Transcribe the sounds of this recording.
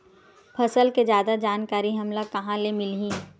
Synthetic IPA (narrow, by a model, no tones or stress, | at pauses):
pʰɐsəlked͡ʒjaːd̪ad͡ʒaːnkaːɾiɦɐmlakɐɦãlemɪlɦĩː